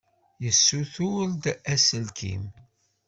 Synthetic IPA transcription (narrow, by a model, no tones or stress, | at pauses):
jəsːuθʊld̪æsəlkḭm